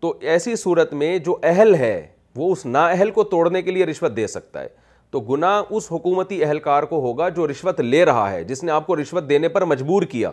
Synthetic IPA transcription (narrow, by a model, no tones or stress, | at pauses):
t̪oːɛːsisuːɾət̪mẽd͡ʒoːʔɛɦɛlɦɛː | ʋoʊsnaɛɦɛlkot̪oːɽnekelieɾɪʃʋət̪̚d̪eːsɐk̚t̪a̰ɦɛ̰ː | t̪oːɡʊnaʊsɦʊkuːmət̪iɛɦɛlkaːɾkoɦoːɡad͡ʒoːɾɪʃʋət̪leːɾɐɦa̰ɦɛ̰ːd͡ʒɪsneaːp̚koɾɪʃʋət̪̚d̪eːnepɐɾmɐd͡ʒbuːɾkija̰ː